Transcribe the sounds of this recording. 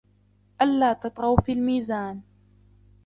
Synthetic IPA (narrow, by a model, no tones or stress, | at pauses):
ʔalːaːt̪ɑt̪ˤɾɑwfiːlmiːzaːn